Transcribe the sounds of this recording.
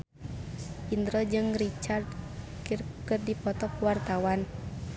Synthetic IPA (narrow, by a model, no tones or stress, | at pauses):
ʔind̪ɾɔd͡ʒɨŋrit͡ʃardkirkət̪̚dipɔt̪ɔkpwart̪awan